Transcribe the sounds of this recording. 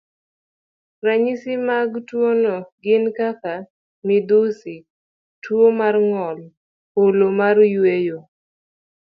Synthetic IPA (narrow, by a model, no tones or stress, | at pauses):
raɲɪsɪmaɡtwonɔɡɪnkaka | mɪd̪usi | twomarŋɔl | polomarjwejo